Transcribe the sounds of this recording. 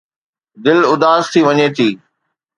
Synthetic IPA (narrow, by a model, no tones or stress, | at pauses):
d̪ɪlʊd̪aːzt̪ʰiʋɐɲet̪ʰiː